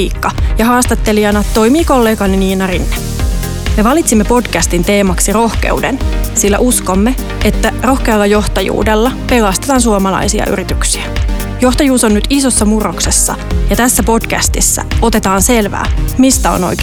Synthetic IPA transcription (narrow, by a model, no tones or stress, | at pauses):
iːkːɑjɑhɑːst̪ɑt̪ːe̞liɑnɑt̪t̪ːo̞jmiːko̞lːe̞ːɡɑniniːnɑrinːe̥ | me̞ʋɑlit̪simːepo̞d̥kæst̪int̪e̞ːmɑksiro̞hkḛudensilːæʔusko̞mːe | et̪ːæro̞hkeɑlːɑjo̞ht̪ɑjṵːde̞lːɑpe̞lɑst̪et̪ɑːns̬uomɑlɑ̰jsiɑ̰y̰ɾit̪yksiæ | jo̞ht̪ɑjuːso̞nːyt̪iso̞sːɑmurokse̞sːɑ̰jɑt̪æsːæpo̞d̥kæ̰st̪isːæ̰o̞t̪e̞t̪ɑːnse̞lʋæ̰ːmist̪æo̰no̰jkː